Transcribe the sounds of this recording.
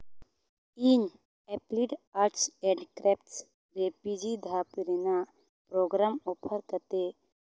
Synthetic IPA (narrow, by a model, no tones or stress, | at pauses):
iɲ | ɛpliʈaːɾʈsẽɳɖkɾeːpʈs | ɾeːpid͡ʒid̪ʱaːpiɾina | pɾoːɡɾaːmoːpʰəɾkət̪e